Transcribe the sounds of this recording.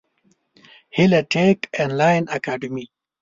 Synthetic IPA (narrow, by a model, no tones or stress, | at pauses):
hilɐʈekenlaːjnakaːɖimi